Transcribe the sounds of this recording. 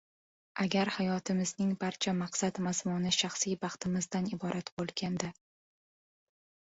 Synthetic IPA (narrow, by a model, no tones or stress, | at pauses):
ʔaɡʲaɾhajɒt̪ʰɪmɪznɪŋbaɾt͡ʃʰamaqsat̪mazmunɪʃɑχsijbɑχt̪ɪmɪzd̪anɪbɒɾʔat̪bolˠɡʲand̪a